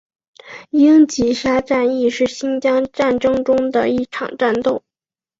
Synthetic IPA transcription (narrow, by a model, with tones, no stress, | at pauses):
i˥ŋt͡ɕi˧˥ʂa˥ʈ͡ʂa˥˧ni˥˧ʂɻ̩˥˩ɕi˥nt͡ɕjɑ˥ŋʈ͡ʂa˥˩nʈ͡ʂɤ˥ŋʈ͡ʂʊ˥ŋd̪ə̰˨i˥˩ʈ͡ʂʰɑ̰˨˩ŋʈ͡ʂa˥˧nt̪o˥˩ʊ